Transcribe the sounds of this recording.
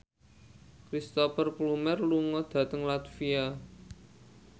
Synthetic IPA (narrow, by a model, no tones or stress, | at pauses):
kɾist̪ɔfərplumɛrluŋɔd̪̥ä̤t̪əŋlat̪fia